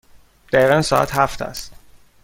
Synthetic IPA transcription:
d̪̥æiːɣænsɒːæ̰t̪ʰhæft̪ʰæ̰st̪

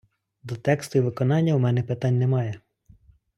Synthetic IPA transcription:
d̪ɔt̪ɛkst̪ʊiʋɪkɔnɑnʲːɐumɛnɛpɪt̪ɑnʲnɛmɑjɛ

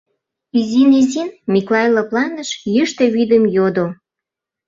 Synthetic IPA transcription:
izinizinmiklɑjlɤplɑnəʃjəʃt̪ĕβid̪əmjod̪o

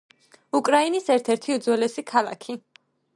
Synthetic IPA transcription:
ukʼɾainisɛɾt̪ʰɛɾt̪ʰiud̪zwɛlɛsikʰalˠa̰kʰi

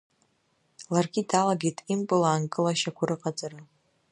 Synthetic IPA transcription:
larɡʲidalaɡʲejtʼimpʼɨlaːnkʼɨlaʃakʷʰʊɾɨqʼat͡sʼaɾa

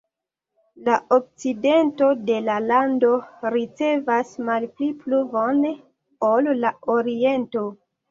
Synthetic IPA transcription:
laʔok̚t͡side̞nto̞de̞lalando̞ɾit͡se̞vasmalplipluvon | olːaoɾie̞nto̞

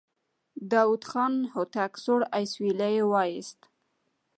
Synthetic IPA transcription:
d̪ɑwud̪xɑnhot̪aksoɽajswilajewɑjɪst̪

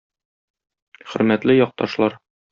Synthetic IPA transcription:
χɵ̆ɾmæt̪lɘjɒq̚t̪ɑʃlˠɑɾ

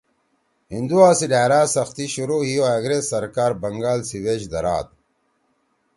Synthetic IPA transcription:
hind̪uaːsiɖaːɾaːsɐxt̪iɕuɾoːhijoaɡɾessɐɾkaːɾbɐŋɡaːlsiweɕd̪ɐɾa̰ːt̪̚

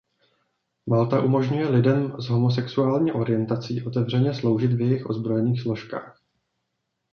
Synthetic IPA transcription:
malt̪aʔumo̞ʒɲujɛlɪdɛmzɦo̞mo̞s̬ɛksuaːlɲiːʔo̞ɾɪjɛnt̪at͡siːʔo̞t̪ɛvr̝ɛɲɛslo̞wʒɪt̪vjɛjɪxʔo̞̰zbɾo̞jɛniːxslo̞ʃka̰ːx

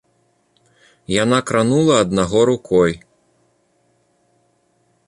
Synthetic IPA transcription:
janakɾanulˠɐːd̪̚naɣɔɾukʰɔj

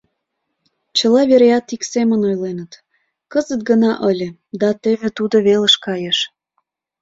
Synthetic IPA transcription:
t͡ɕə̆lɑβeɾjɑt̪iksemənojlenət̪ | kəzət̪̚ɡənɑʔəlʲĕ | d̪ɑt̪eβet̪ud̪oβelə̆ʃkɑjeʃ

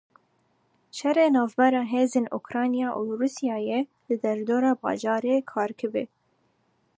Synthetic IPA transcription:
ʃɛreːnɑːvbɛɾɑːɦeːzeːnʔukɾɑːnijɑːʔuɾuːsjɑːje | lɨd̪ɛɾd̪oːɾɑːbɑ̰ːʒɑːɾeːkʰɑːɾkʰɨbɨ̰

